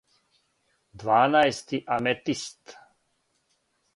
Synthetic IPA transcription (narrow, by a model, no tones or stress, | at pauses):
d̪vaːnaest̪iʔamɛt̪ist̪